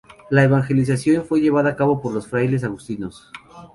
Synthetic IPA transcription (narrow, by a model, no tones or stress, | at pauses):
laeβaŋxe̞lis̬asjo̞nfwe̞ʝe̞βaðaːkaβo̞po̞ɾlosfɾajle̞s̬aɣust̪ino̞s